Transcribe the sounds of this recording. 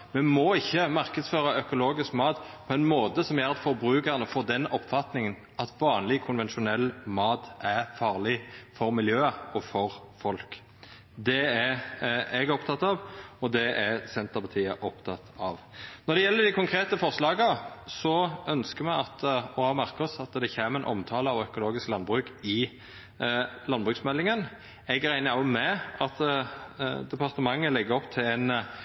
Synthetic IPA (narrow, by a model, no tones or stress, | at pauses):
mɛmɔɪçːəmɑɾkəd̪sføːɾɑœkʊloːɡɪskmɑːt̪pʰɔɛnmoːt̪əsɔmjæɾɑt̪fɔɾbɾʉːkəʁnəfɔːd̪ɛnɔpːfɑt̪nɪŋən | ɑt̪ʋɑːnlɪkʰʊnʋɛnʃʊnɛlːmɑːt̪ʔæʁfɑːʁlɪfɔɾmɪljøːɔfɔɾfɔlk | d̪ɛæɾɛɡɔpt̪ʰɑt̪ːɑʋɔd̪ɛʔæɾsɛnt̪əɾpʰɑt̪ʰiːəʔɔpt̪ʰɑt̪ːɑʋnɔɾd̪ɛjɛlːəd̪ɪkʰʊŋkʰɾeːt̪əfɔɾslɑːɡəsɔʔœnskəɾmɛɑt̪ɔɑmæɾkɔsɑt̪d̪ɛçeːməɾɛnʔɔ̰mt̪ʰɑːləɑʋœkʊloːɡɪsklɑnbʁʉːkɪ | lɑnbʁʉːksmɛlːɪŋən | ɛɡɾæɪnəɔmɛɑt̪ | d̪ɛpɑʁt̪əmɑŋːəlɛɡːəɔpt̪ʰɪlæɪn